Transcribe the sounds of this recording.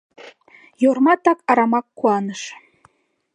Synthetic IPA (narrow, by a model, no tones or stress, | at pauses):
jormɑt̪ɑkɑɾɑmɑkːuɑnəʃ